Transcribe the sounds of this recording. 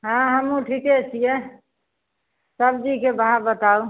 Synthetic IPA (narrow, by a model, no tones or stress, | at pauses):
ɦãɦəmũʈʰiket͡ʃʰije | səbd͡ʒikebəɦãbət̪au